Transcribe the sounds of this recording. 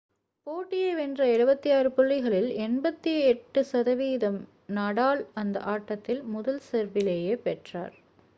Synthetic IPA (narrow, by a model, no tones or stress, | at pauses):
poːʈːɪjeːʋɛndrɐɛɻɯbɐt̪ːijaːɾɯpʊɭːɪɣɐɭɪlɛnbɐt̪ːiɛʈːɯsɐðɐʋiːðɐm | nɐɽaːɭɐnd̪ɐ̰ʔaːʈːɐt̪ːɪlmʊðɐlsɛɾʋɪleːjeːpɛʈra̰ːɾ